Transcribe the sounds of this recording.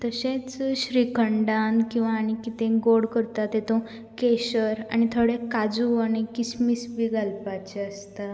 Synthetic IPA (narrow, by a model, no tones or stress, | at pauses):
t̪əɕẽt͡sɕɾikəɳɖankĩw̃ʋaːɽ̃ikit̪ẽɡoɽkəɾt̪at̪et̪õ | keɕəɾa̰ɽ̃it̪ʰoɽekad͡zuaɽ̃ikismisbiɡʱalpat͡ɕeəst̪a